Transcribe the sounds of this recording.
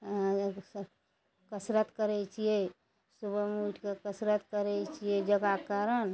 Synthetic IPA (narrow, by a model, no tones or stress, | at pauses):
kəsɾət̪kəɾɛt͡ʃʰije | subəmuʈʰkekəsɾət̪kəɾɛt͡ʃʰijed͡ʒəɡakəɾən